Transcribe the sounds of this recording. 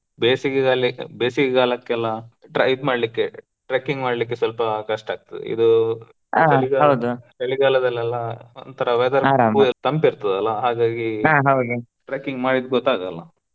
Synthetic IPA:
beːsikɡaːlibeːsikɡaːlɐkːɛlːɐʈɾeid̪umaːɽlikːe | ʈɾeːkiŋɡmaːɽlik̬ːesʋɐlpɐkɐʂʈaːɡ̚t̪ɐd̪ḛḭd̪u | aeɭiɡaɦɐwd̪ut̪ɐɭiɡaːlɐd̪ɐlːɛlːɐo̰nt̪ʰɐɾɐʋɛd̪ɐɾɐɾamut̪ɐmpiɾt̪ɐd̪ɐlːɐɦaːɡaːɡiaɦɐwd̪u | ʈɾeːkiŋɡmaːɽid̪̚ɡɔt̪ːaːɡɐlːɐ̰

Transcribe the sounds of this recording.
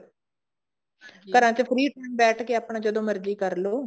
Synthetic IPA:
kəɾãːt͡ʃepʰɾiːʈəːmbɛːʈʰkeːaːpɳaːd͡ʒəd̪õːmɪɾd͡ʒiːkəɾloː

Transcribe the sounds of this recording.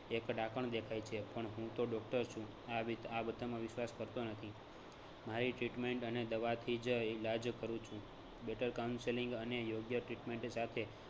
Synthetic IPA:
ekɖakəɳd̪ekʰajt͡ʃʰepəɳɦũt̪oɖɔk̚ʈəɾt͡ʃʰũ | aʋit̪abəd̪ʱamãʋɪʃʋaskəɾt̪onət̪ʰi | maɾiʈɾiʈmeɳʈəned̪əʋat̪ʰid͡ʒilad͡ʒkəɾũt͡ʃʰũ | beʈəɾkawnseliŋɡənejoɡjəʈɾiʈmeɳʈsat̪ʰe

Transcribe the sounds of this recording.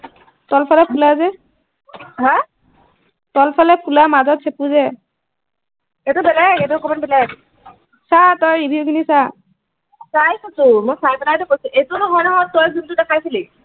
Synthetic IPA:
tɔlpʰalɛpʰulazɛ | ɦã | tɔlpʰalɛpulamazɔtsʰepuzɛ | ɛtubɛlajakɛtuɔkɔmanbɛlajak | satɔjɹibʱiʊkʰinisa | sajkɔtʊmɔjsajbɛlajtʊkojsʊ̃ʔetunɔɦɔjnɔɦɔjtɔjzuntudakʰajsili

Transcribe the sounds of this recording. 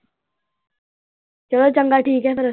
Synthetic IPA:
t͡ʃɐlot͡ʃɐ̃ŋɡaʈʰiːkɦɛpɐɾə

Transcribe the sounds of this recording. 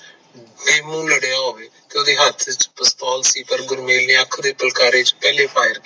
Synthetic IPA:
neːmũːləɽjãːɦoːʋeːt̪eʊd̪eːɦat̪ʰɪt͡ʃpəst̪aːlsiːpəɾɡʊɾmeːlnẽːəkʰd̪eːpəlkaːɾeːt͡ʃpɛːleːpʰaːɪɾ

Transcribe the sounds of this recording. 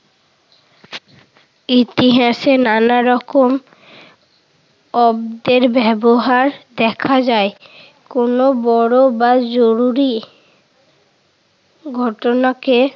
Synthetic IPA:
it̪iɦasenanaɾɔkom | ɔbd̪eɾbɛboɦaɾd̪ɛkʰad͡ʒae | konobɔɽobad͡ʒoɾuɾi | ɡʱɔʈonake

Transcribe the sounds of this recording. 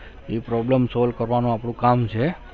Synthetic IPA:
epɾɔbləmsɔlkəɾʋanũapɳ̃ũkamt͡ʃʰe

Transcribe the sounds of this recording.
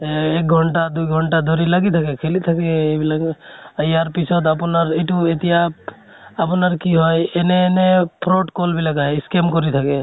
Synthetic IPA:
ek̚ɡʱɔɳʈad̪ujɡʱɔɳʈad̪ʱɔɾilaɡit̪ʰakekʰelit̪ʰakeebilaɡəjaɾpisʰɔt̪apɔnaɾiʈuet̪ijap̚ | apɔnaɾkiɦɔjeneːnepʰɾoʈkolbʱilaɡaeiskemkɔɾit̪ʰake

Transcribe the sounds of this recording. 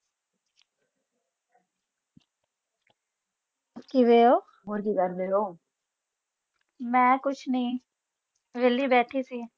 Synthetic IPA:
pkiʋeːoː | oɾkiɡʱəɾbeːoː | mɛ̃ːkʊt͡ʃʰnɐĩː | ʋelːibɛːʈʰisiː

